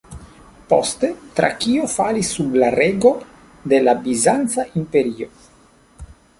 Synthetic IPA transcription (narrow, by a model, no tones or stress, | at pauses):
post̪e̞t̪ɾa̰kiofalisːublaɾeɡo̞ | d̪e̞labizant̪st͡saʔimpe̞ɾio̞